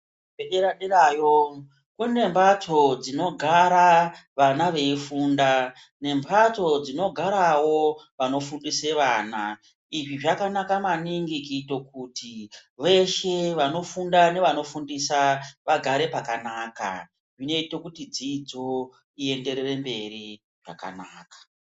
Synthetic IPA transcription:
eɗeɾaɗiraːjo | kune̞mbatʰo̞d͡zino̞ɡʱaɾaʋanaʋe̞ifuːnda | ne̞mbʱato̞d͡zino̞ɡʱaɾawo̞ | ʋano̞fundise̞ʋaːna | iʐiʐakanakamaniŋɡikito̞k̚uːtiʋe̞ʃe̞ʋano̞fundane̞ʋano̞fundisaʋaɡʱaɾe̞pakanaːka̰ | ʐine̞ito̞kutid͡zid͡zo̞ | ie̞nde̞ɾere̞mbe̞ri | ʐ̥a̰ka̰naːkḁ

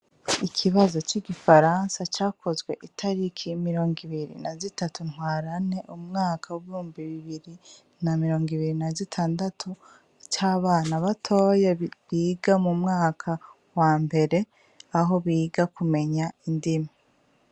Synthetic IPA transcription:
ikʰiβazo̞t͡ʃiɡifaɾansat͡ʃaːkʰo̞zɡwe̞ʔitʰaɾikʰimiɾo̞ːŋɡiβiɾḭnazitatunhwaːɾane̞ʔumŋaːkʰawuβihuːmbiβiβiɾi | namiɾo̞ːŋɡiβiɾinazitʰaːndatʰu | t͡ʃaːβaːnaβatʰo̞ːjeβiːɡamumŋaːkʰa | waːmbe̞ɾe̞ | aɦo̞βiːɡakume̞ɲaindima

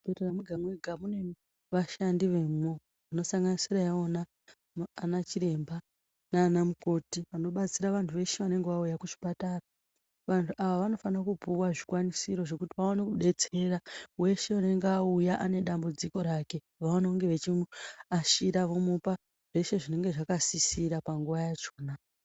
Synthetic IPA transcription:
peteramuɡʱamweɡʱamune̞ | ʋaʃandiʋe̞mo | uno̞saŋɡanisiɾajeonaː | nat͡ʃiɾe̞mba | naːnamuko̞tiʋano̞ɓat͡siɾaʋantʰuʋe̞ʃe̞ʋane̞ŋɡeʋaujakut͡ʃi̥pataːra | ʋantʰuʔaʋaʋano̞fanakubuwaʐikwanisiɾo̞ʐe̞kutiʋaonekuɗe̞t͡se̞ɾawe̞ʃe̞une̞ŋɡeaujaʔane̞ɗambud͡ziko̞ɾake̞ | ʋaano̞ŋɡe̞ʋe̞t͡ʃimuaʃiɾaʋo̞mupa | ʐ̥e̞ʃe̞ʐine̞ŋɡe̞ʐakasisiɾapaŋɡuʋajat͡ʃo̞ːna

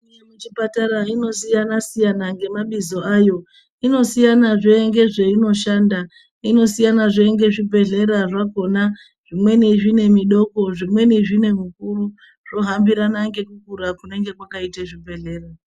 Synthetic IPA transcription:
ijemut͡ʃipataɾaino̞sijanasijanaŋɡe̞maɓizo̞ajo̞ | ino̞sijanaʐeːŋɡe̞ʐe̞ino̞ʃanda | ino̞sijanaʐeŋɡe̞ʐibʱe̞ɮe̞ɾaʐako̞na | ʐ̥imwe̞niʐine̞miɗo̞ko̞ʐimwe̞niʐine̞mukuru | ʐ̥o̞ɦambiɾanaŋɡe̞kukuɾakune̞ŋɡe̞kwakaiteʐibʱe̞ɮe̞ːra

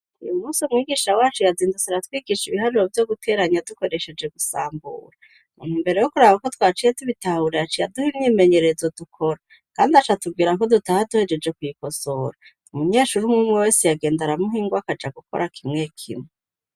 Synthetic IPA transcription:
ṵjumuːnsiumŋiːɡiːʃawaːt͡ʃujaziːndusaɾatwiːɡiʃiβiɦaɾovjo̞ɡutʰe̞ːɾaɲaduko̞ɾe̞ʃe̞d͡ʒe̞ɡusa̰ːmbṵːɾa | unimbe̞ɾe̞jokuɾaːβakotwaːt͡ʃijetuβitahuɾeat͡ʃijaduhimnime̞ɲe̞ɾe̞zo̞dukʰo̞ɾa | kaːndiat͡ʃatub̚ɡiːɾako̞dutahaduhe̞d͡ʒe̞d͡ʒe̞kwujiko̞so̞ɾa | umuɲe̞ːʃuɾumŋumuwe̞sijaɡe̞ːndaɾamuɦiːŋɡwakad͡ʒaɡuko̞̰ɾʔakʰimŋe̞kʰḭmŋe

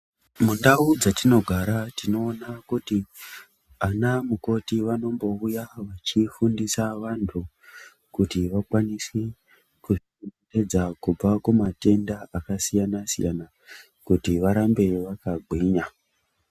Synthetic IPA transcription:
mundaud͡zatino̞ɡʱaɾatino̞ːnakuti | anamuko̞tiʋano̞mbo̞ujaʋat͡ʃifundisaʋantʰu | kutiʋakwaniswe | ku | nete̞d͡zakub͡vakumate̞ndaʔakasijanasḭja̰na | kutiʋaɾambe̞ʋakaɡʱwiːɲa

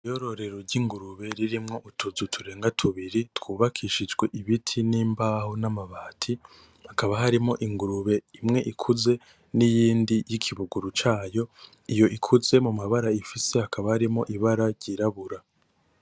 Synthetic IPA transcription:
ijo̞ɾo̞ɾe̞ɾo̞ɾɟiŋɡuɾuβe̞ɾiɾimŋo̞ʔutʰuzutʰuɾe̞ːŋɡatʰuβiɾitwuːβakʰiʃid͡ʒɡwe̞ʔiβitʰiniːmbahonamaβaːtʰi | hakaβaɦaɾimo̞ʔiŋɡuɾuβe̞imŋe̞ʔikʰuze̞ | nijiːndijikʰiβuɡuɾut͡ʃaːjo̞ | ijo̞ʔikʰuze̞mumaβaɾaifise̞hakaβahaɾimo̞ʔiβaɾaɾɟiɾaβuɾa

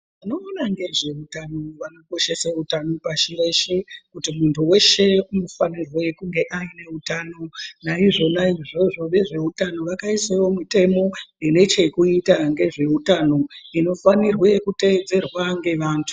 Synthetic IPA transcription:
ano̞ːnaŋɡe̞ʐe̞utanoʋano̞ko̞ʃe̞sautano̞paʃiɾe̞ʃekutimuntʰuwe̞ʃe̞unofanirwe̞kuŋɡe̞ʔaine̞utaːno̞naiʐo̞naiʐo̞ʐo̞ʋe̞ʐe̞utano̞ʋakaisewo̞mite̞mo̞jene̞t͡ʃe̞kuitaŋɡe̞ʐe̞utano̞ino̞fanirwekute̞d͡ze̞rwaŋɡe̞ʋaːntʰu̥

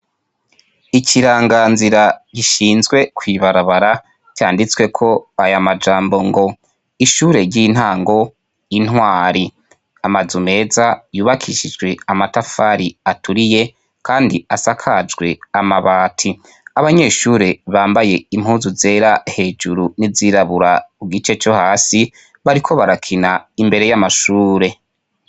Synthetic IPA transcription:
icʰiɾaːŋɡaːnziɾaɟiʃiːnzɡwe̞kwiːβaɾaβaɾa | caːndit͡swe̞kʰo̞ajamad͡ʒaːmbo̞ŋɡo̞ | iʃuːɾe̞ɾɟin̥haːŋɡo̞ | in̥waːɾi | amazume̞ːzajuːβakʰiʃid͡ʒɡwe̞amatafaɾiatʰuɾije̞ | kʰaːndiasakʰad͡ʒɡwe̞amaβaːtʰi | aβaɲe̞ʃuːɾe̞βaːmbaje̞im̥huːnzuze̞ːɾahe̞ːd͡ʒuɾuniziɾaβuɾauɡit͡ʃe̞t͡ʃo̞haːsi | βaɾikʰo̞βaɾakʰinaimbe̞ɾe̞jamaʃuːɾe̞

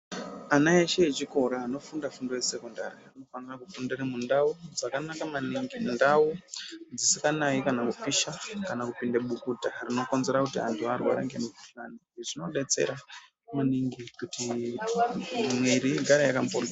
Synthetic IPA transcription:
anaeʃeːt͡ʃiko̞ɾaːno̞fundafundo̞jese̞ko̞nda̰ɾiano̞fanirakukundiremundaud͡zakanakamaniŋɡindaud͡zisikanaikanakufiʃakanakupindeɓukudʱarino̞ko̞nze̞ɾakutia̰ntʰuarwaɾḛŋɡemuuɬaniʐino̞ɗe̞t͡se̞̰ɾa | maniŋɡikuti | mweɾiɡʱaɾajakampor

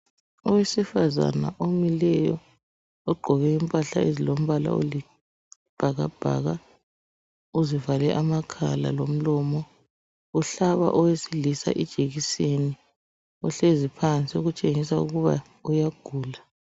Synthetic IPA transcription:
ɔwesifaza̰na̰ʔomilɛjɔ | ɔɡ͡ǃʱɔβɛimpʼaɬaezilom̩βala̰o̰li | b̥ʱaɣa̰b̥ʱa̰ːɣa | uzivalɛʔamakʰa̰la̰lom̩lɔːmɔ | uɬaβa̰ʔɔwesilisa̰ʔid̥ʒ̥ʱeɣiseni | ɔɬezipʰant͡sʼioɣut͡ʃʼeŋisaṵɣuβa | ujaɡ̥ʱuːla

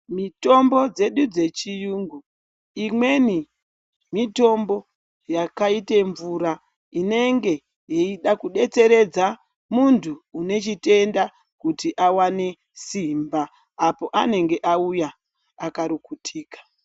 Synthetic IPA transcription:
mito̞mbo̞d͡ze̞ɗud͡ze̞t͡ʃijuːŋɡu | imwe̞ni | mito̞mbo̞ | jakaite̞ɱvuɾa | ine̞ŋɡe̞ | jeiɗakuɗe̞t͡se̞ɾe̞d͡za | muntʰuːne̞t͡ʃite̞nda | kutiʔawane̞ | simbaː | po̞ʔane̞ŋɡe̞ʔaujaː | kaɾukutʰiːkḁ

